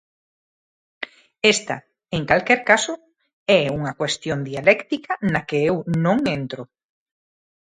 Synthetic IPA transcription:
est̪a̰ | eŋkalkɛɾkaso | ɛuŋɐkwest̪jond̪ialɛkt̪ikɐnakeewnõŋẽnt̪ɾo

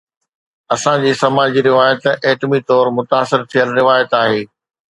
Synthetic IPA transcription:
ɐsãd͡ʑiːsɐmaːd͡ʑiɾɪʋaːjət̪eːʈmit̪ɔːɾmʊt̪aːsɪɾt̪ʰijəlɾɪʋaːjət̪aːɦeː

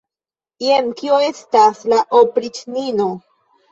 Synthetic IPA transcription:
iemkioe̞staslaʔopɾit͡ʃnino

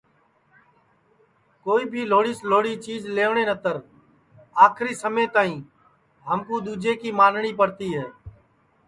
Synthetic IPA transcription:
koːiːbʱiːloːɽiːsloːɽiːt͡ʃiːzleːʋɳeːnət̪əɾ | aːkʰɾiːsəmẽːt̪aːĩː | ɦəmkuːd̪uːd͡ʒeːkiːmaːnɳiːpəɾt̪iːɦɛː

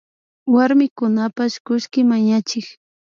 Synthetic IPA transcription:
waɾmɪkʊnapaʃkʊʃkɪmaɲat͡ʃɪk

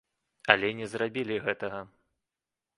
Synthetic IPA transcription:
ɐlʲɛnʲɛzrabʲilʲiɣɛt̪ɐɣɐ

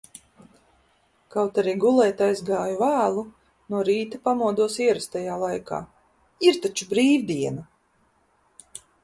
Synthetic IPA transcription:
kawt̪aɾiːɡulˠɛːt̪ajzɡaːjuvæːlˠu | nuɔɾiːt̪apamuɔd̪uɔsiɛɾast̪ajaːlˠajka̰ː | iɾt̪at͡ʃubɾiːvd̪iɛna

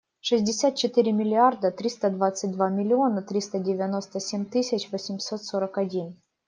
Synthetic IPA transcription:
ʂɨzʲdʲɪsʲat̪̚t͡ɕɪt̪ɨɾʲɪmʲɪlʲɪard̪ət̪ɾʲist̪əd̪vat̪sɨt̚ʲd̪vamʲɪlʲɪo̞nət̪ɾʲist̪ədʲɪvʲano̞st̪əsʲemʲt̪ɨsʲɪt͡ɕvosʲɪmʲsot̪soɾəkɐdʲin

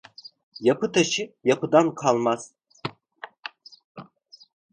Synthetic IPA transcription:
japʰɯt̪ʰaʃijapʰɯd̪ankʰalˠmaz̥

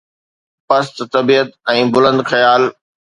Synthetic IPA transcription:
pɐst̪t̪ɐbiːət̪̚ɛ̃ːbʊlə̃nd̪xɐjaːl

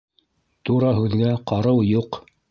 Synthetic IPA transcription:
t̪uɾɑɦʉðɡæqɑɾɤwjuq

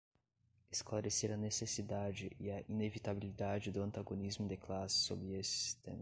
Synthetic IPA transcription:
esklaɾeseɾɐnesesid̪ad͡ʒɪʔʔɪɐʔinevit̪abilid̪ad͡ʒɪd̪ʊɐ̃nt̪aɡonizmʊd̪eklasɪ̥so̰bɾɪesɪsi̥st̪ḛ̃mɐ

